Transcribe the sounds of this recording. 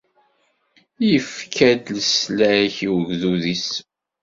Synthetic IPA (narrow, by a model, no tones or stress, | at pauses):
jəfkʰæd̪ləslæçiwəɡðuðis